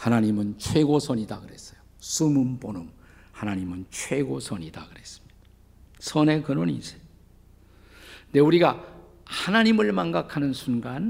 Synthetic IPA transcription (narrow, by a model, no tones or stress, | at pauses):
hanaɲimɯnt͡ɕʰwe̞ɡosʰʌɲidakɯɾe̞s͈ʌ̥jo | sumɯmponɯm | hanaɲimɯnt͡ɕʰwe̞ɡosʰʌɲida̰kɯɾes͈ɯ̥mɲid̥a | sʰʌne̞kɯnonḭsejo | ne̞uɾiɡa | hanaɲimɯɭmaŋɡakʰanɯnsʰunɡan